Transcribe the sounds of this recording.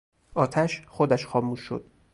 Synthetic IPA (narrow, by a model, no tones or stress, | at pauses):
ʔɒːt̪ʰæʃχod̪æʃxɒːmuːʃːo̰d̪̥̚